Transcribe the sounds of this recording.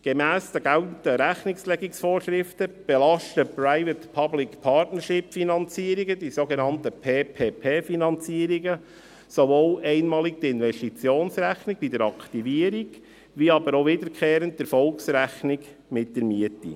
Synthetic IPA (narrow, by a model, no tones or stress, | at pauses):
ɡ̥emæːsd̥̪əɡæltn̩təɾæχnɪkslɛɡiksfoːɾʃɾɪft̪əb̥elɑʃtəpɾaɪvətpʰɑblɪkpʰɑɾtnəɾʃɪpfinɑnt͡siːəɾiɡəd̥isoɡenɑntəpʰeːpʰeːpʰeːfinɑnt͡siəɾiɡə | sovoːlɛɪnmɑːlik̚d̥̪əɪnvɛsʃtit͡sjoːnsɾæχnɪɡ̥bidəɾɑkʰt̪iviəɾiɡ | ʋiɑbəɾoʋɪdəɾkʰχeːɾənt̚d̥əɾfɔlksɾæχnɪɡ | mɪt̚dəɾmiətḭ